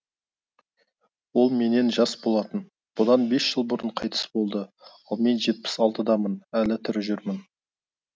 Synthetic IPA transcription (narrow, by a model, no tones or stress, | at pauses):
wo̞lˠme̞ne̞nʒɑsbo̞lˠɑt̪ən | b̥ʊd̪ɑnbe̞sʒ̥əlˠbʊɾəɴqʰɑjt̪ə̥sbo̞lˠd̪əɑlˠme̞nʒe̞t̪̚pɪ̥sɑlˠt̪əd̪ɑmənælɪt̪ʰʏɾɪʒʏɾmɪn